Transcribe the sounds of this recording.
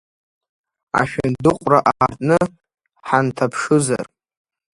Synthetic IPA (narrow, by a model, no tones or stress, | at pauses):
a̰ʃᶣandɨqʷʼraʔaːrtʼnɨ | ħantʰapʰʂɨza̰r